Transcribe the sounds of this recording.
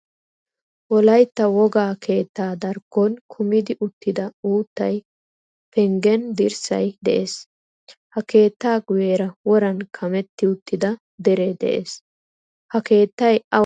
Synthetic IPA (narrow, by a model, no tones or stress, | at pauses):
wɔlɐjt̪ːɐwɔɡaːkʰe̞ːt̪ːaːd̪ɐɾɡɔnkʰʊmɪd̪ɪʔʊt̪ːɪd̪ɐuːt̪ːɐj | pɛŋɡɛnd̪ɪɾsɐ̰jd̪ɛʔeːs | hɐke̞ːt̪ːaːɡʊjeːɾɐwɔɾɐnkʰɐmɛt̪ːɪʊt̪ːɪd̪ɐ | d̪ɛɾed̪ɛ̰ʔeːs | hɐke̞ːt̪ːɐjɐ